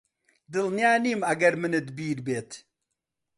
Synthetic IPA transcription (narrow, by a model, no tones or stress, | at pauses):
d̪ɨlnjaːniːmɐɡɐɾmɨnɨd̪biːɾbeːt̪